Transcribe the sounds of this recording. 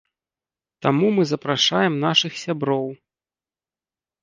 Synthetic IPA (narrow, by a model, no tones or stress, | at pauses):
t̪amumɨzɐpɾaʂajɛmnaʂɨxsʲabɾɔw